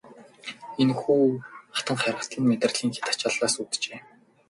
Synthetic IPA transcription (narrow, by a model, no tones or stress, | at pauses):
enxuːχḁt̪ə̆ŋχæɾə̆t̪ʰiːnmet̪ə̆rɮ̥iːŋxe̥t̪ḁt͡ɕaːɮaːsuːt̪t͡ɕeː